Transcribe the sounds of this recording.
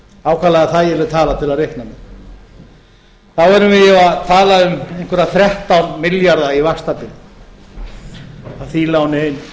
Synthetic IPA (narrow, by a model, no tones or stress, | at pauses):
aːwkʰalaɣaθaðjɛɾlɪðt̪ʰaːlat̪ʰɪlaðɾehknamɛn | θawvɛɾʏmvɪðjɛaðt̪ʰaːlaʏmeŋkvɛɾaθɾɛht̪awnmɪljaɾðaivast̪apɪn | aθiːlawnɪejn